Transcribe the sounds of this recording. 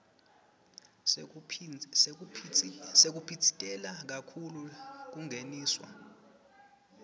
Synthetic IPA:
sek̬upʰitʰi̥tʼɛlak̬akʰuluk̬uŋʱeniːswa̰

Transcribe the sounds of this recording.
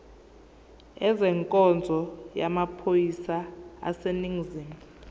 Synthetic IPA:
ɛzɛŋkʼɔnd͡zʱɔjamapʰojisaa̰seniŋziːm

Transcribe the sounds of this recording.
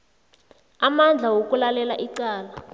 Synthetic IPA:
amand͡ɮʱawokulalɛlaʔiǀaːla

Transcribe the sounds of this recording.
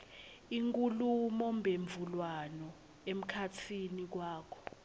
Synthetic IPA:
iŋkʼulumɔmbʱeɱvʱulwanɔ | em̩kʰatʰinik̬waːkʰɔ̥

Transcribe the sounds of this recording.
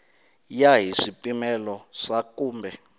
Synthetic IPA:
jaɦisipʼimɛlɔʂakuːmbʱɛ

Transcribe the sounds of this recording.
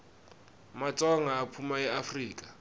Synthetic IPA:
mat͡sʼɔŋaːpʰumaɛafriːkʼa

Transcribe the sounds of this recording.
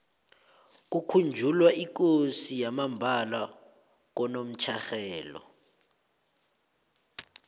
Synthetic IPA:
k̬ukʰund͡ʒʱulwaʔik̬osijamambʱala | k̬ɔnom̩t͡ʃʰaxɛːlɔ̰

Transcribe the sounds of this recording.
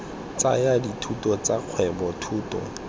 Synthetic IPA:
t͡sa̰jaditʰutɔt͡saq͡χʰwɛbɔtʰuːtɔ̰

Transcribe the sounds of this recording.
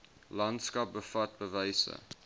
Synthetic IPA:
lɐntskɐp̚bəfɐt̚bəvəjsə̰

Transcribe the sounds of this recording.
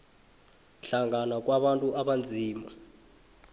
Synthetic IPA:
ɬaŋʱanak̬ʼwaɓantʼuaɓand͡zʱiːma

